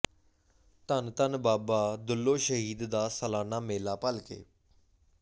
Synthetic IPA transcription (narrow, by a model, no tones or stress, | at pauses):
t̪ənt̪ənbaːbaːd̪ʊlːoːʃəɦiːd̪d̪aːsəlaːnaːmeːlaːpəlkḛː